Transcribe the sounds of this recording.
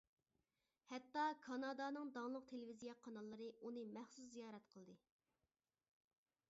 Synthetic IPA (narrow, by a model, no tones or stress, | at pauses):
hɛt̪ːɑkʰɑnɑd̪ɑnɨŋd̪ɑŋlˠʊq̚t̪ʰelɪvizijɛqʰɑnɑlˠːɨɾɨʔunɨmæχsus̬zijɑːɾɛt̪qʰəlˠd̪ɨ